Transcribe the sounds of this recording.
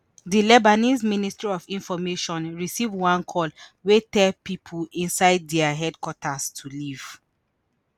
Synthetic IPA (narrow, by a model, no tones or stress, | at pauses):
dilɛbanizministɹiɔvĩnfɔmeʃɔ̃nɹisivwãnkʰɔlwetɛlpipʰuĩnsaɪdːɛaɦɛdkwɔtʰastʰuliv̥